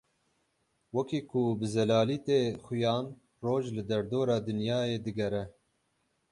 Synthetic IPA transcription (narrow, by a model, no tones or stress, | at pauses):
wɛkiːkʰʊbɨzɛlaːliːt̪eːxʊjɑːn | roːʒlɨd̪ɛɾd̪oːɾɑːd̪ɨnjɑːeːd̪ɨɡɛɾɛ